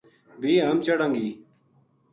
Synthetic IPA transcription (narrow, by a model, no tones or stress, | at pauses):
bʱiːɦəmt͡ʃəɽəŋɡiː